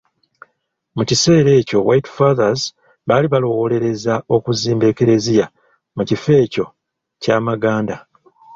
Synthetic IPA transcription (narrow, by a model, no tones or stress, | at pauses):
mucise̞ːɾe̞ːco̞wajtfaðaz | βaːliβalo̞wole̞ɾe̞zao̞kuziːmbe̞ːke̞ɾe̞zija | mucife̞ːco̞ | caːmaɡaːnda